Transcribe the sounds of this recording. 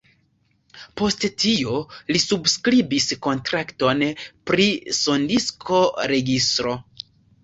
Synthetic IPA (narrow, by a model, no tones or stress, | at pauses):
po̞sttiolisubskɾibisko̞ntɾakto̞npɾiso̞ndiskʰo̞ɾe̞ɡistɾo̞